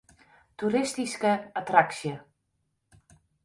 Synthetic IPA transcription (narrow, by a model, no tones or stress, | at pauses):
tuɾɪstiskəatraksjə